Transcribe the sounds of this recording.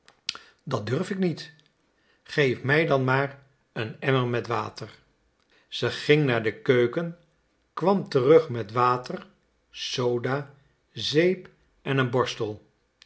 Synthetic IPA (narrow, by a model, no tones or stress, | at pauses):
dɑdɵɹfɪknit | χejfmɛjdɑnmaːɹ | ənɛməɹmɛtʋaːtər | z̥əχɪŋnaːɹdəkøɥkən | kʋɑmtərɵχmɛtʋaːtər | sowdaː | zejp | ɛnənbɔɹstəlˠ